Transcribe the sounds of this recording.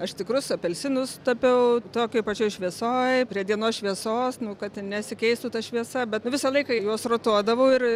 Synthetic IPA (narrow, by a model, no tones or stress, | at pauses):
ɐʃt̪ʲɪkɾʊsɐpʲɛlʲsʲɪnʊst̪ɐpʲɛʊt̪oːkʲopɐt͡ʃʲoːjʃʲʋʲiɛsoːjpʲɾʲiɛd̪ʲiɛnoːsʃʲʋʲiɛsoːsnʊkɐt̪nʲɛsʲɪkʲɛɪst̪uːt̪ɐʃʲʋʲiɛsɐbʲɛt̪nʊʋʲɪsɐlˠɐɪkɑjuɔsroːt̪uɔd̪ɐʋɐʊɪr